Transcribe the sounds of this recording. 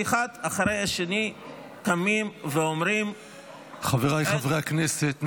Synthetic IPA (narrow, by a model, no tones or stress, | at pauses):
iχad̪aχaɾejaʃeni | tamimveomɾim | χaveʁajχavʁejakneset̪n